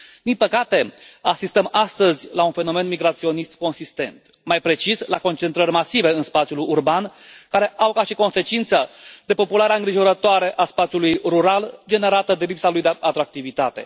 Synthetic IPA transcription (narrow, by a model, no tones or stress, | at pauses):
d̪̥inpəkat̪e̞asist̪əmast̪əzʲlaunfe̞no̞me̞nmiɡɾat̪sio̞nist̪ko̞nsist̪e̞̰nt̪ | majpɾe̞t͡ʃisla̰ko̞nt͡ʃent̪ɾərʲmasive̞ɨnspat̪sjulurbankaɾe̞ʔawkaʃiko̞nse̞t͡ʃint̪səd̪e̞po̞pulaɾeaɨŋɡɾiʒo̞ɾət̪oaɾe̞ʔaspat̪sʲjulujruɾald͡ʒe̞neɾat̪əd̪e̞lipsalujd̪eat̪ɾak̚t̪ivit̪at̪e̞̰